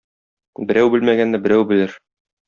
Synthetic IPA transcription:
bɘ̆ɾæwbɘlmæɡænːæbɘ̆ɾæwbɘ̆lɘɾ

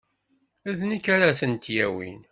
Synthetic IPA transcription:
æðnikːaɾaθənt̪jæ̰wḭn

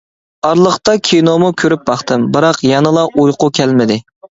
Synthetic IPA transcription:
ɑɾlˠəχt̪ɑkʲʰijnomukʲʰøɾyp̚bɑχt̪ɨmbɨɾɑqjɑnɨlˠɑʔujqʊkʲʰɛlmɪd̪ɪ

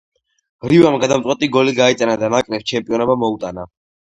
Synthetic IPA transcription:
mɾivamɡad̪amt̪sʼwɛt̪ʼiɡɔliɡait̪sʼanad̪anakʼnɛft͡ʃʰɛmpʼiɔnɛbamɔut̪ʼana

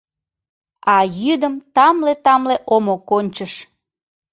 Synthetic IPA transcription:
ɑjyd̪əmt̪ɑmlet̪ɑmleʔomokonʲt͡ɕəʃ

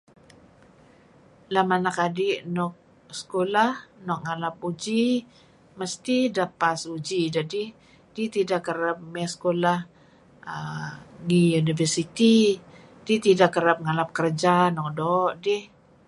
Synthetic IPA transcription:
lamanakadiʔnɔk̚ | skolahnɔk̚ŋalap̚ud͡ʒi | məst̪idapasud͡ʒid͡ʒadi | dit̪idakːəɾap̚mɛskolah | əŋijunivərsit̪i | d̥it̪idakːəɾap̚ŋalap̚kərd͡ʒanɔk̚dɔʔdɪh

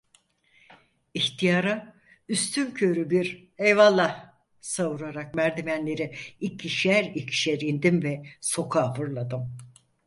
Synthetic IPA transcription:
içt̪ʰijaːɾa | yst̪ʰyncʰøɾybiɾ | ejvalˠːah | savuɾaɾak̚mæɾd̪imænlʲe̞ɾiicʰiʃæɾicʃeɾind̪imvɛso̞kʰaːfɯɾlˠad̪ɯm

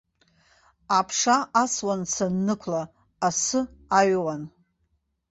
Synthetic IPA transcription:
apʰʂaaswant͡sʰanːɨkʷʰlaː | sɨaɥwan

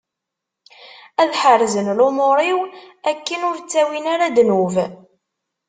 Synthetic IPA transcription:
æðħərzənlʊmoɾˤiwækːənʊɾt͡sːæwinaɾad̪nuv

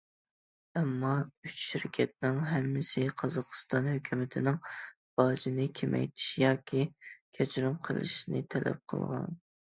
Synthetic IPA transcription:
ɛmːɑyt͡ʃʃiɾkʲʰɛt̪̚nɪŋɦɛmːɪsɪqʰɑzɑqʰst̪ɑnhøkʲʰymɪt̪ʰɪnɪŋ | b̥ɑːd͡ʒinɪkʲʰemʔɛ̰jt̪ʰɪ̥ʃijɑːkʲʰikʲʰɛt͡ʃʰɾumqʰə̰lˠɪ̰ʃinɨ̰t̪ʰɛlʔɛ̰p̚qʰə̰lˠʁɑ̰n

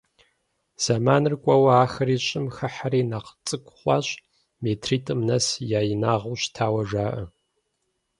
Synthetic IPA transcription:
z̥amaːnɨrkʷʼɐwɐaːxɐriːɕʼɪmxɐħaɾiːnaqt͡sʼɨkʷʼχʷɑ̰ːɕʼ | meːtʰriːtʰʼɨmnɐsjaːjɪnaːʁuːɕtʰaːwɐʒaːʔɐ

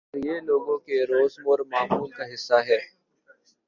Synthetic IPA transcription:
ɾjeːloːɡõkeɾoːzmoɾmaːmuːlkaɦɪsːaɦɛː

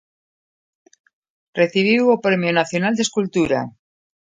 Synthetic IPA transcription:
reθiβ̞iwopɾemjonaθjonald̪eskult̪uɾa̰

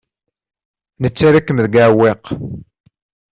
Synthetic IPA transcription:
nət͡sːaɾakːəmðəɡaweq

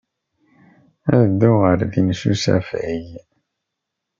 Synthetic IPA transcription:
æd̪ʊʁəɾðinʃṵsæ̰fʕij

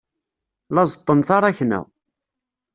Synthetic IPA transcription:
lɑzˤət̪ˤːənθɑɾˤæçnæ̰

